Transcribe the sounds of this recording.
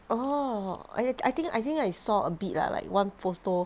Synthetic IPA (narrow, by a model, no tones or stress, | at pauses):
ʔo | a̰jajt̪ĩŋka̰jt̪ĩŋkajsɔəbit̚la̰la̰ɪkwãnfosto